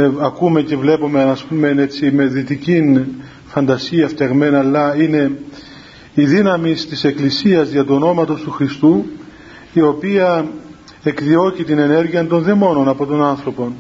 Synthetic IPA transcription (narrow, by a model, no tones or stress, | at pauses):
ɐkume̞ce̞vle̞pomeɐspume̞e̞sime̞ðit̪icin | fɐnd̪ɐsiɐfcɐɣme̞nɐːlːɐine̞ | iðinɐmist̪ise̞klisiɐzʝɐt̪uono̞mɐt̪o̞st̪uxɾist̪u | io̞piɐ | e̞kðio̞cit̪ine̞ne̞ɾʝiɐnt̪o̞nðemo̞no̞nɐpo̞t̪o̞nɐnθɾo̞po̞n